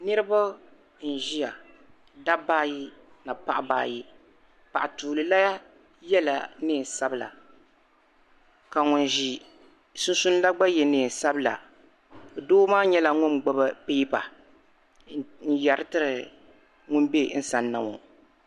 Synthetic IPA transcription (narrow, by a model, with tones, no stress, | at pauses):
nɨ˦ɾɨ˦ba˦ | n̩˨ʒi˦ja˨ | da˦baː˦ji˦na˨pa˦ʔba̰ː˨˦˨ji˦ | pa˨ʔa˨tuː˨lɨ˨la˦ja˦ | jɛ˦la˨nɨː˦˨n˨sa˦bɨ˨la̰˨ | ka˨ŋʊ˨nʒi˨ | sʊ˦n˦su˦n˦la˦ɡ͡ba˦jɛ˨nɨː˨n˨sa˦bɨ˦la̰˨ | doː˦maː˦ɲɛ˦la˦ŋʊ˦nɡ͡bɔ˦ba˦pi˦pa̰˨ | n̩˦ja˨ɾɨ˦tɨ˦ɾɨ˨ | ŋʊ˦nbe˦n̩˦sa˨nːa˨mo̰˨